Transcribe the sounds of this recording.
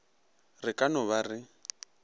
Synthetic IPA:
rɪkʼanɔβarɪ

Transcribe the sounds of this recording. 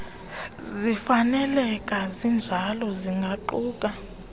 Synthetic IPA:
zifanɛlɛkʼazind͡ʒʱalɔziŋɡʱaǃuːkʼa

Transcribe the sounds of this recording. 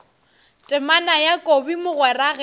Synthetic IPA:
tʼɪmanajakʼobimʊɣwɛraɣɛ

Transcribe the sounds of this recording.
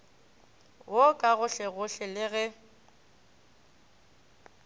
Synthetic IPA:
wʔokʼaɣʊɬɛɣʊɬɛlɪɣɛ

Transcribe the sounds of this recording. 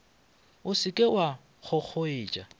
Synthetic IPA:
ʊsɪkʼewa | χʊk͡xʰoɪːt͡ʃʼa

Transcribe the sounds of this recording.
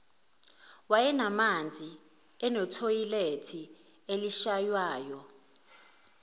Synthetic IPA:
wajɛnamand͡zʱi | ɛnɔtʰojiletʰi | eliʃajwaːjɔ

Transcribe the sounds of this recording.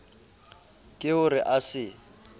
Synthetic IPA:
kʼɪʊrɪʔasɪ

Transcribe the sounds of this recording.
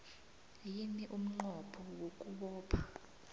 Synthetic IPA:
jiniʔum̩ŋ͡ǃɔpʰɔwokʼuɓɔːpʰḁ

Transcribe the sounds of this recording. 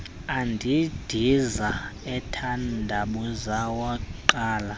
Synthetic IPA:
andʱid̥ʱizaɛtʰandʱaɓuzawakǃaːla

